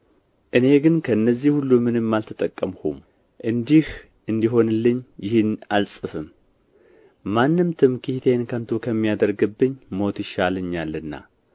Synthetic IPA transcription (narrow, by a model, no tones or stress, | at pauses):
ʔɨne̞ɡɨnkʰəɨnːəzːihulːumɨnɨmːalt̪ʰət̪ʼəkʼːəmhṵm | ʔɨnd̪ih | ʔɨnd̪iɦo̞nlːɨɲːjɪhɨnalsʼɨfɨm | manːɨmt̪ʰɨmkʰiht̪ʰenkʰənt̪ʰokʰəmːijad̪əɾɡɨbːɨɲːmo̞t̪jɪʃaləɲːalːɨnːa̰